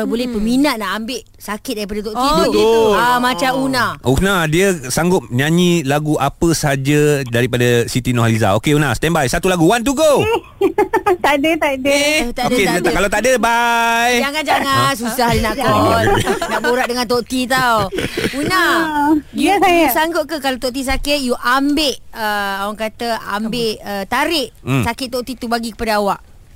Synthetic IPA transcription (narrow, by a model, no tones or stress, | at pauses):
abolɛhpəminaʔ̪̚naʔambɪʔ | sakɪt̪̚daɾip̬adat̪oʔ̪it̪amat͡ʃamunaʔunadiəsaŋɡʊp̚ɲãɲĩlaɡuʔapəsəɦad͡ʒadaɾipadasit̪inɔhaliza̰okeunast̪ɛmbajsat̪ulaɡuwant̪̬uɡo | t̪adət̪adət̪aokekalawt̪adəbajd͡ʒaŋand͡ʒaŋans̬usahlənaʔkɔnaʔboɾaʔ̚dəŋant̪̬oʔt̪it̪awuna | iusajasaŋɡoʔ̚kəkalat̪oʔt̪is̬akɪʔ̪̚juʔambɪʔəawaŋkat̪əa̰mbɪʔət̪aɾɪʔ̩sakɪʔt̪oʔt̪it̪ubaɡikə̥padaawaʔ